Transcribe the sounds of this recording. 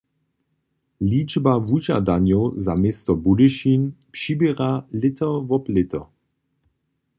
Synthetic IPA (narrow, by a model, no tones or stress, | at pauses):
liːd͡ʒbavuʒa̰danjowzameːst̪ɔbudɪʃinpʃibɛʁalɪtʰəvɔplɪt̪ə̰